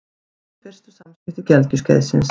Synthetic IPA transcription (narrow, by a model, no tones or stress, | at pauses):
kʰfɪr̥st̪ʏ̥samspɪht̪ʏcɛltc̪ʏsca̰jðsɪns